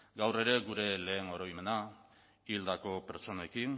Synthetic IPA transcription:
ɡawre̞ɾe̞ɡuɾe̞le̞ːno̞ɾo̞jme̞na | ild̪ako̞pe̞ɾt͡ʃo̞nekin

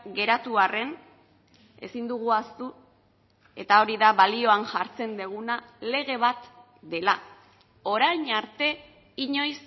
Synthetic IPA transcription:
ɡe̞ɾat̪uare̞n | e̞̰sind̪uɣ̞uast̪u | e̞̰t̪ao̞ɾiðaβalio̞anʝaɾt͡se̞nd̪eɣ̞unale̞ɣ̞e̞βat̪ | d̪e̞la | o̞ɾajɲaɾt̪e̞ | iɲo̞js

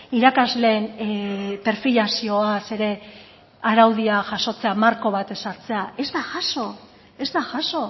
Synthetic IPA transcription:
iɾakazle̞ːn | pe̞ɾfiʎasio̞ase̞ɾe̞ | aɾawð̞iaʝaso̞t͡se̞amaɾko̞β̞at̪e̞saɾt͡se̞ae̞zd̪aʝaso̞ | e̞zd̪aʝaso̞

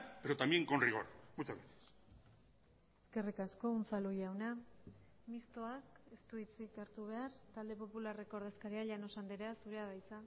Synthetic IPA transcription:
peɾot̪amjeŋkonriɣo̰ɾaβut͡saβesi̥s | e̞ske̞rikasko̞unt͡salujawna | mist̪oake̞st̪uit͡sikaɾt̪uβ̞e̞aɾt̪ald̪e̞po̞pulare̞ko̞ːɾðe̞skaɾiaʎano̞sand̪eɾasuɾe̞aðajt͡sa

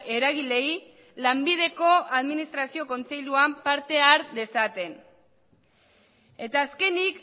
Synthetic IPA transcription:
e̞ɾaɣile̞j | lambið̞e̞ko̞aðminist̪ɾasio̞ko̞nt͡se̞jʎuampaɾt̪e̞aɾd̪e̞sat̪e̞n | e̞t̪aːske̞nik

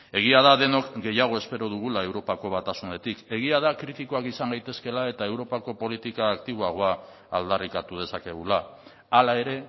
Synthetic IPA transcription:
e̞ɣ̞iað̞aðe̞no̞kɡe̞jaɣ̞o̞e̞spe̞ɾo̞ð̞uɣ̞ulae̞wɾo̞pako̞βat̪asune̞t̪ike̞ɣ̞iað̞akɾit̪iko̞akisaŋɡajt̪e̞ske̞lae̞t̪ae̞wɾo̞pako̞po̞lit̪ikaːkt̪iβ̞oaɣ̞o̞aː | ld̪arikat̪uð̞e̞sake̞ɣ̞ulaː | lae̞ɾe̞

